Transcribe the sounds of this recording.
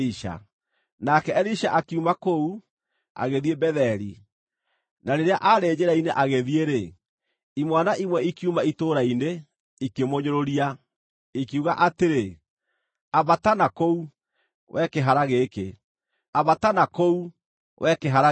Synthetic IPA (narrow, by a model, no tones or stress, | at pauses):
iʃa̰ | nakɛɛɾiʃaʔakiumakou | a̰ɣeðiebɛðɛɾi | naɾeɾeaʔaɾeːd͡ʑeɾaineʔaɣeðieɾe | imwanaʔimwɛikiumaitoːɾaine | ikemoɲoɾoɾia | ekiuɣaʔateɾe | aβatanakou | wʔɛkeɦaɾaɣeke | aβatanakou | wʔɛkeɦaɾa